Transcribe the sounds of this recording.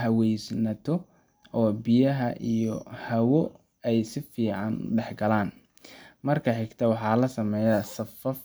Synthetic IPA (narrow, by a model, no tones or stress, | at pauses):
ɦɐwɛjsnɐt̪ʰɔ | ɔːbijɐɦɐʔijɔhɐwɔ | ɛjsɪfiːʕɑnɖɛħɡɐlaːn | mɐrkʰɐħɪɡt̪ʰɐwɑħɑːlɐsɐmɛːjɐsɐfɐf